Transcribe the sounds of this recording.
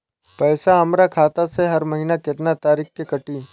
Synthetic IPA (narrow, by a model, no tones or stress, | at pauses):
pɛːsaɦɐmɾakʰaːt̪aseɦɐɾmɐɦinakɪt̪nat̪aːɾiːkkekɐʈiː